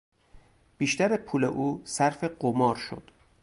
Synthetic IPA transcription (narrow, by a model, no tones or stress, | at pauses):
b̥iːʃt̪æɾepʰuːleʔuːsæɾfe̞ɢomɒːɾʃo̰d̪̥